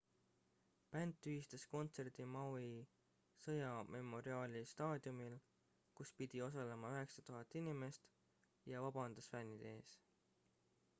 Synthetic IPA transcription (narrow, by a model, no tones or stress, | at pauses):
pænt̪ˑːyist̪ɑsko̞nt̪se̞rd̪̥imɑwi | sɤjɑmʔe̞mo̞ɾiɑːlist̪ɑːd̪iumil | kuspid̪̥io̞s̬ɑlemɑøɦe̞ksɑt̪uɦɑt̪ːˑinime̞st̪ | jɑvɑb̥ɑnd̪̥ɑsfænʲid̪e̞ːs